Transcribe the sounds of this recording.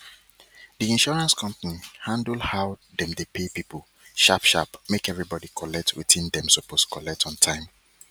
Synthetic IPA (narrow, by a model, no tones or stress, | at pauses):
diĩnʃɔɹãnskʰʌ̃mpanihãndl̩ˠhaʊdɛ̃mdepʰepipʰəlˠ | ʃapʃapmekɛvɹibɔdikʰɔlɛk̚tʰwḭtĩndɛ̃msɔpostkʰɔlɛk̚tʰɔ̃n̩tʰãɪ̃m